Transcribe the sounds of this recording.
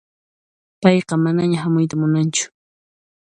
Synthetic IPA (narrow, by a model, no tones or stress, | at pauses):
pɑjqɑmanaɲaɦamʊjt̪̬amʊnant͡ʃʊ̥